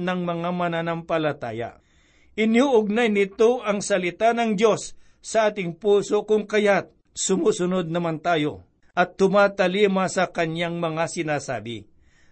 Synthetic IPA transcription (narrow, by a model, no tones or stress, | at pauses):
nɐŋmɐŋamɐnanampɐlɐt̪a̰ːja̰ | ʔɪnjoʔʊɡ̚najnɪt̪oʔɐŋsɐlɪt̪anɐŋd̪jo̞sː | ɐʔaːt̪ɪŋpuːsokʊŋkɐjat̪̚ | sʊmuːsʊnod̪̚nɐmant̪aːjo | ʔɐt̪ːʊmaːt̪ɐliːmasɐkɐnjaŋmɐŋasɪnaːsa̰ːbɪ̰